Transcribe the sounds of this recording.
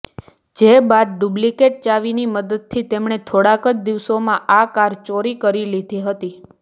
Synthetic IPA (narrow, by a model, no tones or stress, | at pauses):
d͡ʒebad̪̚ɖublikeʈ̚t͡ʃaʋiniməd̪əd̪̚t̪ʰit̪emɳ̃et̪ʰoɽakət͡ʃd̪iʋsomãʔakaɾt͡ʃoɾikəɾilid̪ʱiɦət̪i